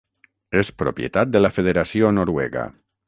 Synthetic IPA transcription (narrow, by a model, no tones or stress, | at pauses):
espɾopjḛt̪at̪̚d̪əlafeðeɾasionoɾwɛɣa̰